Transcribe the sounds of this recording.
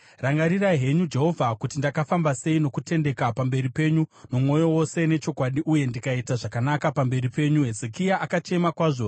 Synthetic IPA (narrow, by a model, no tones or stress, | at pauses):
raŋɡaɾiraiɦe̞ɲud͡ʒe̞ɦo̞vʱakutindakafambase̞ino̞kute̞nde̞kapambe̞ɾipe̞ɲuno̞mŋo̞jo̞wo̞se̞ne̞t͡ʃo̞kwaɗiʔuje̞ndikaitaʐakanakapambe̞ɾipe̞ːɲuɦezekijaʔakat͡ʃe̞makwaːʐo